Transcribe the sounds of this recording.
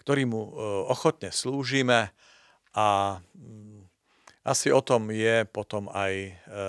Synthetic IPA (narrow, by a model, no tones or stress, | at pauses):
kt̪ɔɾiːmuɔxɔt̪ɲɛsluːʒiːmɛ | ʔa | ʔasiɔt̪ɔmjɛpɔt̪ɔmaj